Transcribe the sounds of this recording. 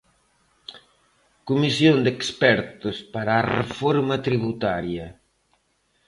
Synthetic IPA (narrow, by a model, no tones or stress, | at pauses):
kumisjond̪ekspɛɾt̪ʊspaɾaːrḛfɔɾmɐt̪ɾiβut̪aɾjɐ